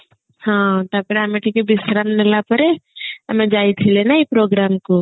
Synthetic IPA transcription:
hãt̪apəɾamẽʈʰikebɪsɾamnelapəɾeəmẽd͡ʒaːit̪ʰilenaipɾoːɡɾaːmko

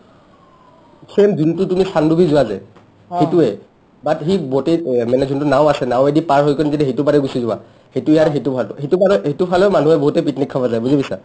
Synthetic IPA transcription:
pʰɹemduntʊtumisandubʱizʊwaza̰j | hetuɛ | batɦibotemɛnɛzuntunaw̃asɛnawɛdipaɹɦojkɔnizidiɦetubaɾɛɡusizʊwa̰ | hetuijatɦetupʰaltʊ̰hetubaɾɔɦetupʰalɔman̤uɛboɦutɛpitnikʰːabazajbuzibisa̰

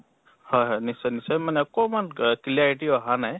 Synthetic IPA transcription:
hɔjɦɔjnisɔjnisɔjmanɛɔkɔmankiliaɹiʈiaɦanaj

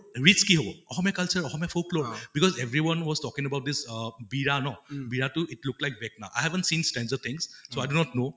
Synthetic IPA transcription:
ɹit͡ʃkiɦobɔɔxɔmjakalsəɹɔxɔmjafʰoklobikɔzevɹiwɔnwɔz̥tɔkĩŋəbaʊt̚d̪ɪsbiɹanɔbiɹatuitlʊk̚tlajk̚bɛk̚na̰ʊʔa̰jhɛvə̃ntsĩnstɛ̃nzət̪ʰɪ̃ŋssoajdunɔtno

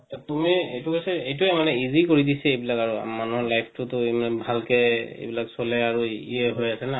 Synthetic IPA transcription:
tumiejtukasɛejtuɛmanɛizikoɹidisɛejbilakaɹṵmanuɦɔɹlajpʰtʊtʊemanɛbʱalkɛḛjbilaksolɛaɹuiɛɦojasɛna

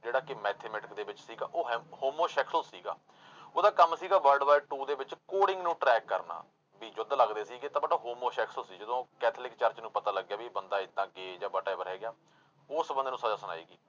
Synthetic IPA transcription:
d͡ʒeːɽaːkɪmɛːt̪ʰeːmɛːʈɪkd̪eːbɪt͡ʃsiːɡaːʔoːɦhoːmoːʃɛːksosiːɡa̰ː | oːd̪aːkəmsiːɡaːʋəlɖʋaːʈuːd̪eːbɪt͡ʃkoːɽɪ̃ŋɡnũːʈɾɛːkːəɾna̰ː | biːd͡ʒoːd̪ləɡd̪eːsiːɡet̪ãːbəʈaːɦoːmoːʃɛːksosiːd͡ʒəd̪õːkɛːt̪ʰlɪkt͡ʃəɾt͡ʃnũːpət̪aːləɡːjaːbiːbənd̪aːɪt̪ːãːɡeːd͡ʒãːbəʈaːbəɾɦɛːɡɪjaː | ʊsbənd̪eːnũːsaːd͡ʒaːsəna̰ːḭːɡiː

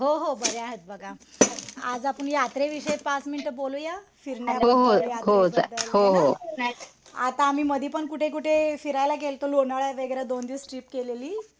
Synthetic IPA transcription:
ɦoɦobəɾjaɦət̪̚bəɡʱa | ad͡zapəɳjat̪ɾeʋiɕəjepat͡sminiʈəbolujafiɾnaɦoɦoaɦod͡zaɦoɦo | at̪aːm̤iːməd̪ʱiːpəɳkuʈʰekuʈʰefiɾajlakelt̪olonaɭaʋeɡəɾjad̪ond̪iːsʈɾiːpkeleliː

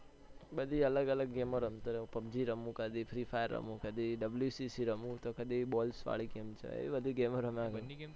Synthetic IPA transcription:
bəd̪ʱiələɡələɡːemoɾəmt̪oɾepəbd͡ʒiɾəmũkəd̪ifʰɾifʰajəɾːə̰mũkəd̪iɖəbljusisiɾəmũt̪okəd̪ibɔlsʋa̰ɭiɡemt͡ʃʰḛḛibəd̪ʱiɡemoɾəmãɡ

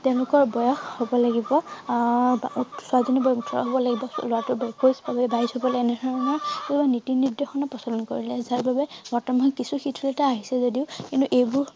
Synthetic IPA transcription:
tɛʊ̃lʊkɔɹbɔjɔxhobɔlaɡibɔ | busʊazɔnibɔutʰɔɹɔ̰ɦɔbɔlaɡibɔlowatʊbɛkosbabɛbaɹizɦɔbɔlaɛnɛdʱɔɹɔnɔɹkubanitiniɹdexɔnapɹɔsɔlɔnko̰ɹilɛzaɹbabɛmɔɹtɔmɔnkisuxitʰulɛtaːɦisɛzodiʊkintuʔejbʊɹ

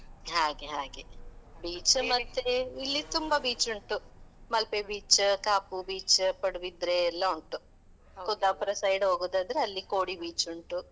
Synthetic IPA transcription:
ɦaːɡeɦaːɡebiːt͡ʃmɐt̪ːeilːit̪umbɐbiːt͡ʃuɳʈumɐlpebiːt͡ʃkaːpubiːt͡ʃpɐɽuʋid̪ɾeːlːɐuɳʈu | kɔd̪aːpɾɐsɐjɖɦoːɡuːd̪aːd̪ɐɾeɐlːikoːɽibiːt͡ʃuɳʈu

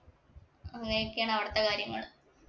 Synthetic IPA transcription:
ɐŋːɐnejokːejaːɳɐʋɐɽɐt̪ːɐkaːɾjɐŋːɐ̰ɭ

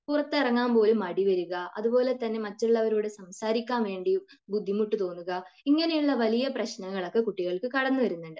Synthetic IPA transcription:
purɐt̪ːɨirɐŋːaːmpo̞ːlumɐɽiʋɐɾuɣɐɐ̰ðupo̞ːle̞t̪ɐnːe̞mɐtːuɭːɐʋɐɾoːɽɨsɐmsaːɾikʲːaːnʋe̞ːɳɖi | bud̪ʱːimuʈːut̪o̞ːnːuɣɐiŋːɐne̞juɭːɐʋɐlijɐprɐɕnɐŋːɐɭo̞kːe̞kuʈːiɣɐɭkɨkɐɽɐnːuʋɐɾunːuɳɖɨ

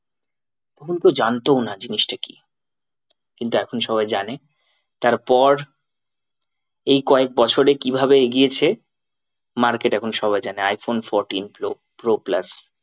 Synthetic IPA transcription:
t̪ɔkʰonkeod͡ʑant̪onad͡ʑiniʃʈaki̥̰ | kint̪uɛkʰonʃɔβaed͡ʑane | t̪aɾpɔɾ | ejkɔek̚bɔt͡ɕʰoɾekibʱabeeɡiet͡ɕʰe | maɾkeʈɛkʰonʃɔbaed͡ʑaneajfonfoɾʈinplo | pɾoplas

